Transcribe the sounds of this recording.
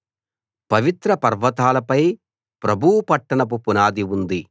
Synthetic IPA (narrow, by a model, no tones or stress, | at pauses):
pɐʋit̪ɾɐpɐɾʋɐt̪aːlɐpɐj | pɾɐbʱuwpɐʈːɐɳɐp̬upunaːd̪iund̪i